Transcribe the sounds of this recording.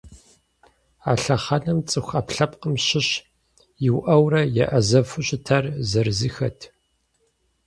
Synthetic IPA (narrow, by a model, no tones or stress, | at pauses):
aːɬɐχɐnɐmt͡sʼɨxʷɐpɬɐpqəmɕɪɕ | jɪwʔɐwrɐjɛ̰ʔɐzɐfʊɕʼɪtʰɐrzɐrzɨxɐtʰ